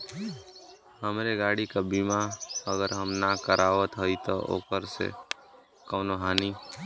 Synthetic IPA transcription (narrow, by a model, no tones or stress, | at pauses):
həmɾeɡaːɽikabimaəɡəɾɦəmnakəɾʔaːʋət̪ɦəit̪ɔʔo̰ːkəɾsḛ | kəʊnoɦaːni